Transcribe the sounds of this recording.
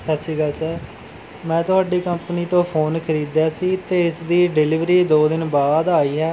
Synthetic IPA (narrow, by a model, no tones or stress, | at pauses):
sətːʃiːɡəlsəɾ | mɛ̃ːt̪ʊɦaːɖiːkəmpniːt̪õːpʰoːnkʰəɾiːd̪jaːsiːt̪eːɪsd̪iːɖɪlɪʋɾiːd̪oːd̪ɪnbaːd̪aːiːɦɛː